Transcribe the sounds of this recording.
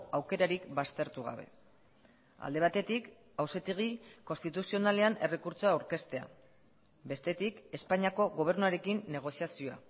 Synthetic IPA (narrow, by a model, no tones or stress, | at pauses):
awke̞ɾaɾikbast̪e̞ɾt̪uɣ̞a̰βe̞̰ | a̰ld̪e̞β̞at̪e̞t̪ik | awse̞t̪eɣiko̞nst̪it̪usio̞nale̞ane̞rekuɾt͡soaːwɾke̞st̪e̞a̰ | be̞st̪e̞t̪ike̞spaɲiako̞ɣo̞β̞e̞ɾnuaɾe̞kinːe̞ɣ̞o̞siasio̞a̰